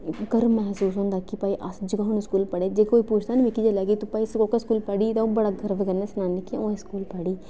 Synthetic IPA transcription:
ɡəɾmɛɦsuːsɦõːnd̪aːkɪpaːiːʔasd͡ʒəɡaːnũskuːlpəɽeːd͡ʒeːkoːiːpuːt͡ʃʰt̪aːnmɪkiːd͡ʒaːlɛːɡiːt̪ʊpaːisokeskuːlpəɽiːt̪ãõːbəɽaːɡəɾʋkəɾneːsnãːnɪkʰːãõːeskuːlpəɽiː

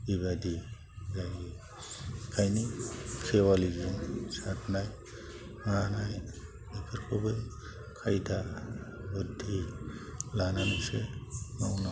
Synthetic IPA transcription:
bibad̪i | zajɡi | kʰajnikʰewaliɡinsatnaj | manaj | bepʰiɾkʰubej | kʰajd̪abud̪ʱi | lananisenawna

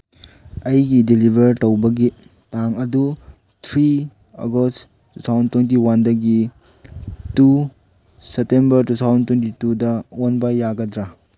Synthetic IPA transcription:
ɐjɡidilibʱɐɾtɐwbɐɡi | taŋɐdu | tʰɾi | ɐ̰ɡost | tːutʰawzɐntwent̬iwandɐɡi | tu | sep̚tembɐɾtutʰawzɐntwentitudɐonbajːaɡɐdɾa

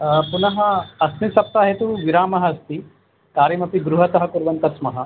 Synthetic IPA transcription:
punɐɦɐɐsmisɐp̚t̪aːɦet̪uʋiɾaːmɐɦɐɐst̪i | kaːɾimɐpiɡɾuɦɐt̪ɐɦɐkuɾʋɐnt̪ɐsmɐɦɐ

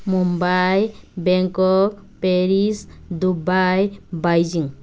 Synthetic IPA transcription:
mumbajbɛŋkɔk̚peɾisd̪ubajbajd͡ʒiŋ

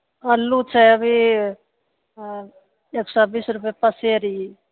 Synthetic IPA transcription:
əlːut͡ʃʰɛəbʱi | eːksɔbiːsɾup̬epəseɾi

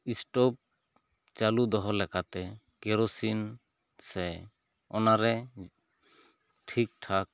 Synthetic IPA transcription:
isʈɔp̚ | t͡ʃalud̪ɔɦɔlɛkat̪ɛ | kɛɾosin | sɛ | ɔnaɾɛ | ʈʰik̚ʈʰak̚

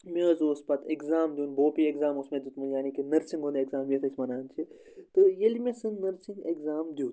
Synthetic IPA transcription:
mẽɐzoːspɐt̪ekzaːmd̪jũːnboːpiekzaːmusmẽd̪ut̪mujaːniːkinɐɾsĩŋɡonekzaːmjet̪ʰɐsmɐnaːnt͡ʃʰi | t̪ɨjelimẽsɨnnɐɾsiŋɡekzaːmd̪jũː

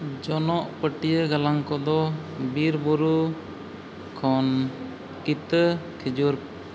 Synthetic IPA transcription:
d͡ʒɔnɔʔpəʈijəɡalaŋkɔd̪ɔbiɾbuɾu | kʰɔn | kit̪əkʰid͡ʒuɾ

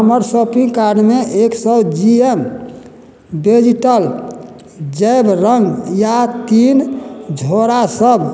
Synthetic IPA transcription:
ɦəməɾsopĩŋɡkaɾɖmeʔeksəbd͡ʒiem | bed͡ʒiʈəl | d͡ʒɛbɾəŋɡjat̪ind͡ʒʱoɾasəbʱ

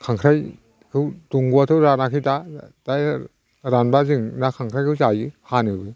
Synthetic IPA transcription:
kʰaŋkʰɾaj | kʰɯwtuŋɡuatʰɯwɾanakʰɯjtataj | ɾanbazɯŋnakʰaŋkʰɾajkʰɯwzajɯhanɯbɯ

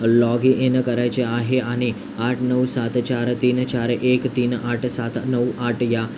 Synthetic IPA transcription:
lɔɡiʔenəkəɾajt͡ʃeaɦeani | aʈʰnəwsat̪t͡ʃaɾt̪iːnt͡ʃaɾekt̪iːnaʈʰsat̪nəwʔaʈʰja

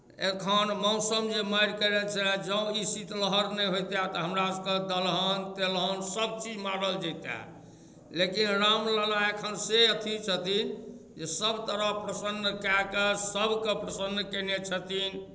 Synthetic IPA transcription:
ekʰənmɔ̃ʊsəmd͡ʒeməjɾkəɾɛt͡ʃʰɛd͡ʒə̃isit̪ləɦəɾnɛɦojt̪at̪ɔɦəmɾaskəd̪əlɦənt̪elɦənsəb̚t͡ʃid͡ʒmaɾəld͡ʒɛjt̪a̰ | lekinɾamləlaekʰənseət̪ʰit͡ʃʰət̪ind͡ʒesəbʱt̪əɾəpɾəsənːkakesəbʱkepɾəsənːkɛnet͡ʃʰət̪in

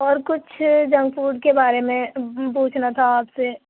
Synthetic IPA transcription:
ɔːɾkʊt͡ʃʰd͡ʒɐ̃ŋɡfuːɾɖkebaːɾemẽp̬uːt͡ʃʰnat̪ʰaaːpse

